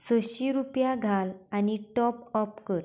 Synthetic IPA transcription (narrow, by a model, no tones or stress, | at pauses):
səɕiɾupjaɡʱalaniʈɔpɔpkəɾ